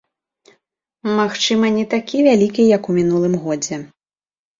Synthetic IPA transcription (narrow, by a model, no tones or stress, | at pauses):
maxt͡ʂɨmɐnʲɛt̪akʲivʲalʲikʲijɐkumʲinulˠɨmɣɔd͡zʲɛ